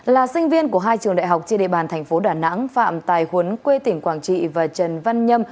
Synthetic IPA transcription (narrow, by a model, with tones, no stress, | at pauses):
laː˨˩sï˧ŋ̟vi˧ənku˧˩əɦaː˧jt͡ɕɨ˨˩əŋɗa̰ː˧˨jɦa˨˩wk͡p̚t͡ɕe˧nɗḛ˧˨ɓaː˨˩nt̪ʰɛ˨˩jŋ̟fo˨˦ɗaː˧˩na̰˧˥ŋfa̰ː˧˨mt̪aː˨˩jhwə˨˦nkwe˧t̪ï˧˩ŋ̟kwaː˧˩ŋt͡ɕḭ˧˨vaː˨˩t͡ɕə˨˩nva˧nɲə˧m